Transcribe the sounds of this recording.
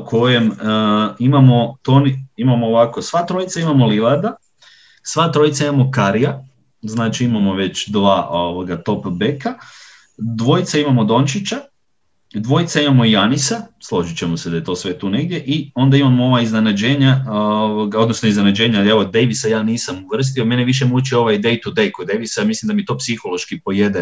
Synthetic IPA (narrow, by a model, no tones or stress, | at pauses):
kʰo̞jem | imamo̞t̪oniimamoːʋako̞sʋaːt̪ɾo̞jit̪saimamo̞liʋad̪a | sʋaːt̪ɾo̞jit̪saimamokaɾija | znaːt͡ʃiimamo̞ʋe̞t͡ɕd̪ʋaːʔoʋoɡat̪o̞pbe̞ka | d̪ʋo̞jit̪saimamo̞d̪o̞nt͡ʃit͡ɕa | d̪ʋo̞jit̪saimamo̞ijanisaslˠo̞ʒit͡ɕemose̞d̪ajet̪o̞ːsʋe̞t̪uːne̞ɡ̚d̪ʲje̞ʔio̞nd̪aimamooʋaiznenad͡ʑe̞ːɲaoʋoɡao̞d̪nosnoiznenad͡ʑe̞ːɲaeʋod̪e̞jʋisajaːniːsamuʋr̩s̬t̪iome̞neʋiʃ̬emuut͡ʃio̞ʋajd̪e̞jt̪ud̪e̞jkud̪e̞jʋisaamislimd̪amit̪o̞ːpsixo̞lo̞ʃkipo̞je̞d̪e